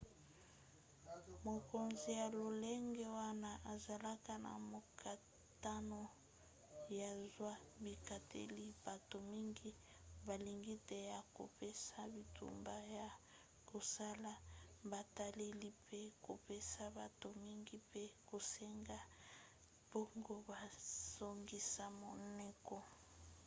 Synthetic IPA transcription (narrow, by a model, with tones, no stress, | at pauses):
mo˨ko˨nzi˨ja˨lo˨le˦ŋɡe˦wa˦na˦ʔa˨za˨la˦ka˦na̰˨mo˨kʰa˨ | ta˦no˦ | ja˨zwa˦bi˨ka˨tḛ˦li˦b̥a˨to˨mi˦ŋɡi˦ | ba˨li˨ŋɡi˦te˦ja˨ko̰˨pe˦sa˦bi˨tṵ˨mba˦ja˨ | ko˨sa˦la˦ba˨ta˦le˦li˦pe˦ko̰˨pe˦sa˦ba˨to˨mi˦ŋɡi˦pe˦ko˨sɛ˦ŋɡa˦ | b̥o˦ŋɡo˦ba˨so˨ŋɡi˦sa˦mo˨nɛ˦kɔ˨